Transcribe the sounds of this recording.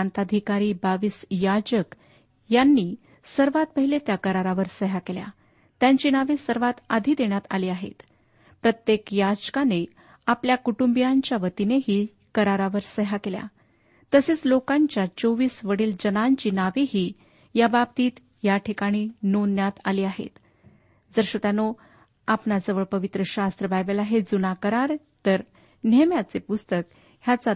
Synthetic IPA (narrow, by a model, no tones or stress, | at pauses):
ant̪ad̪ʱikaɾiːbaʋiːsjad͡ʑək | janːiː | səɾʋat̪̚pəɦilet̪jakəɾaɾaʋəɾsəɦakelja̰ | t̪jaɲt͡ɕiːnaʋesəɾʋat̪ad̪ʱiːd̪eɳjat̪a̰liːaɦḛt̪ | pɾət̪jekjad͡ʑkane | apljakuʈumbijaɲt͡ɕjaʋət̪ineɦiː | kəɾaɾaʋəɾsəɦakelja̰ | t̪əset͡slokãɲt͡ɕjat͡ɕoʋiːsʋəɽiːld͡ʑənaɲt͡ɕiːnaʋiɦiː | jabab̚t̪iːt̪ | jaʈʰikaɽ̃iːnonjat̪aliːaɦḛt̪ | d͡zəɾɕot̪ano | apnad͡zəʋəɭpəʋit̪ɾəɕast̪ɾəbajbelaɦed͡zunakəɾaɾt̪əɾ | nemjat͡sepust̪ək | ɦjat͡sa